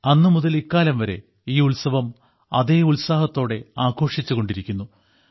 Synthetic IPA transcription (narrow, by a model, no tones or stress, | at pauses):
ɐnːɨmuðɐlikːaːlɐmʋɐɾe̞̰ | iːulsɐʋɐm | ɐ̰ðe̞ːulsaːhɐt̪ːo̞ːɽe̞aːko̞ːʂit͡ɕːuɣo̞ɳɖiɾikʲːunːu